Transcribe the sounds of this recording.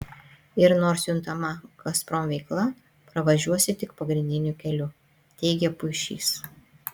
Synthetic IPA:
ɪɾnoːɾsjʊnt̪ɐmɐɡɐspɾɔmʋʲɛɪklˠɐ | pɾɐʋɐʒʲuɔsʲɪt̪ʲɪkpɐɡɾʲɪnʲd̪ʲɪnʲʊkʲɛlʲʊ | t̪ʲɛɪɡʲɛpʊɪʃʲḭːs

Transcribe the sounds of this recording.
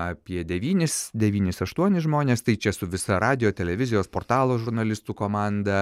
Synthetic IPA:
ɑːpʲiɛd̪ʲɛʋʲiːnʲɪsd̪ʲɛʋʲiːnʲɪsɐʃt̪uɔnʲɪsʒmoːnʲeːst̪ɐɪt͡ʃʲɛsʊʋʲɪsɐɾɑːd̪ʲɪjoːt̪ʲɛlʲɛʋʲɪzʲɪjoːspoːrt̪ɑːlˠoːʒʊɾnɐlʲɪst̪uːkoːmɑːnd̪ɐ

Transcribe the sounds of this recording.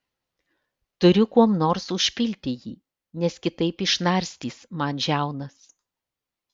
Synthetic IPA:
t̪ʊɾʲʊkuɔmnoːɾsʊʃʲpʲɪlʲt̪ʲɪjḭː | nʲɛskʲɪt̪ɐɪpɪʃnɐɾʲsʲt̪ʲiːsmɑnʒʲæˑʊnɐs

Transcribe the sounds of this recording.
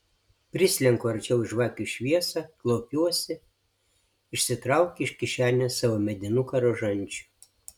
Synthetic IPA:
pʲɾʲɪsʲlʲɛŋkʊɐɾʲt͡ʃʲɛʊʒʋɑːkʲuʃʲʋʲiɛsɑklˠɔʊpʲuɔsʲɪ | ɪʃʲsʲɪt̪ɾɐˑʊkʲːɪʃkʲɪʃʲæːnʲoːsɑːʋoːmʲɛd̪ʲɪnʊkɐɾoʒɐnʲˑt͡ʃʲʊ̥

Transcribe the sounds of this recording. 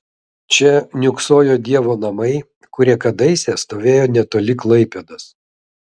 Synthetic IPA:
t͡ʃʲɛnʲʊksoːjoːd̪ʲiɛʋoːnɐmɐɪ | kʊɾʲiɛkɐd̪ɐɪsʲɛst̪oːʋʲeːjoːnʲɛt̪oːlʲɪklˠɐɪpʲed̪ɐs

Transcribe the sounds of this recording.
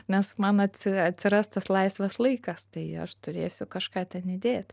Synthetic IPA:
nʲɛsmɐnɐt̪ʲsʲɪɐt̪ʲsʲɪɾɐst̪t̪ɐslˠɐɪsʲʋʲɐslˠɐɪkɑst̪ɐɪɐ̰ʃt̪ʊɾʲeːsʲʊkɑʃkɑːt̪ʲɛnɪd̪ʲeːt̪ʲ

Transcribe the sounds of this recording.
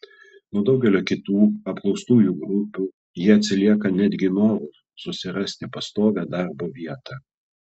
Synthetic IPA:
nuɔd̪ɒʊɡʲɛlʲoːkʲɪt̪uːɐpklˠɔʊst̪uːjuɡɾʊpʲuː | jiɛɐt̪ʲsʲɪlʲiɛkɐnʲæd̪ʲɡʲɪnoːɾʊ | sʊsʲɪɾɐsʲt̪ʲɪpɐst̪oːʋʲæːd̪ɑˑɾboːʋʲiɛt̪ɑː

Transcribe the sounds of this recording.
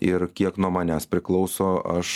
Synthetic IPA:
ɪɾkʲiɛknuɔmɑːnʲæːspʲɾʲɪklˠɒʊsoːɐʃ

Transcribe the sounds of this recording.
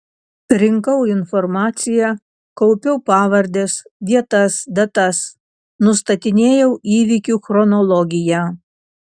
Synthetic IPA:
ɾʲɪŋkɐʊɪnfɔɾmɑːt̪sʲɪjæ | kɔʊpʲɛʊpɑːʋɐɾʲd̪ʲeːsʋʲiɛt̪ɐsd̪ɐt̪ɐs | nʊst̪ɐt̪ʲɪnʲeːjɛʊʔiːʋʲikʲuːˑxɾɔnɔlˠɔɡʲɪjæː

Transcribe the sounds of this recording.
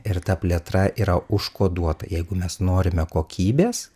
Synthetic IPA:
ɪɾt̪ɐpʲlʲiɛt̪ɾɐʔiːɾɐʊʃkoːd̪uɔt̪ɐ̰jɛɪɡʊmʲɛsnoːɾʲɪmʲɛkoːkʲʰiːbʲeːs

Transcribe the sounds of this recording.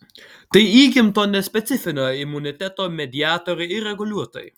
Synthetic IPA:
t̪ɐɪiːɡʲɪmt̪oːnʲɛsʲpʲɛt̪sʲɪfʲɪnʲoːjɪmʊnʲɪt̪ʲæt̪oːmʲɛd̪ʲɪɑːt̪oːɾʲɛɪɪɾʲɛɡʊlʲuɔt̪o̰j

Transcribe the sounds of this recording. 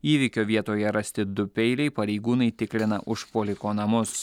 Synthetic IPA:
iːʋʲɪkʲoːʋʲiɛt̪oːjɛɾɐsʲt̪ʲɪd̪ʊpʲɛɪlʲɛɪpɐɾʲɛɪɡuːnɐɪt̪ʲɪklʲɪnɐ̰ʔʊʃpoːlʲɪkoːnɐmʊs

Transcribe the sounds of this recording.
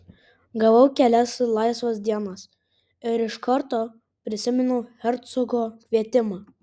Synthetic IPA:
ɡɐʋɐʊkʲɛlʲɛslˠɑɪsʋɐsd̪ʲiɛnɐs | ɪɾɪʃkɐɾt̪oː | pʲɾʲɪsʲɪmʲɛnʊxʲɛɾt̪sɔɡoːkʲʋʲiɛt̪ʲɪmɑː

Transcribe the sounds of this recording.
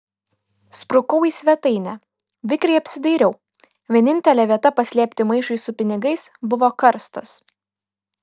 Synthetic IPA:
spɾʊkɐʊiːsʲʋʲɛt̪ɐɪnʲæ | ʋʲɪkɾʲɛɪɐpʲsʲɪd̪ɐɪɾʲɛʊ | ʋʲiɛnʲɪnʲt̪ʲɛlʲɛʋʲiɛt̪ɐpɐsʲlʲiɛpʲt̪ʲɪmɐɪʃɐɪsʊpʲɪnʲɪɡɐɪsbʊʋoːkɐɾst̪ɐs

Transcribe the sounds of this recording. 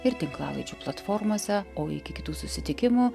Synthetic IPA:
ɪɾt̪ʲɪŋklˠɑ̰ːlˠɐ̰ɪd͡ʒʲuplˠɐt̪foːɾmoːsʲɛoːɪ̰kʲɪkʲɪ̥t̪uːsʊsʲɪt̪ʲɪkʲɪmʊ

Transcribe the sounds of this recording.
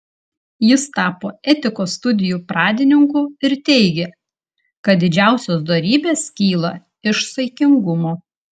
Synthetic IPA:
jɪst̪ɑːpoːɛt̪ʲɪkoːst̪ʊd̪ʲɪjuːpɾɑːd̪ʲɪnʲɪŋkuːɪɾt̪ʲɛɪɡʲe | kɐt̪̚d̪ʲɪd͡ʒʲæˑʊsʲoːsd̪oɾʲiːbʲeːskʲiːlˠɐ | ɪʃsɐɪkʲɪŋɡʊmoː

